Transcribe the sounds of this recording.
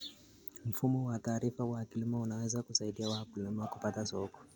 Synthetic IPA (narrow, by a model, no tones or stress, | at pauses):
m̩fumɔwataːɾifawakilimaunawɛzakusaiɗiawakulɛmwakupatasɔkɔ̥